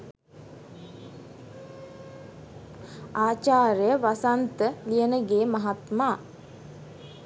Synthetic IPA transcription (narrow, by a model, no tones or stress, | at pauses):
aːt͡ʃaːɾəjəʋasant̪əlijənəɡeːmaɦat̪maː